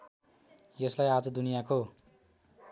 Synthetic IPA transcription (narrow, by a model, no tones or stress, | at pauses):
jʌslajad͡zʌd̪unijako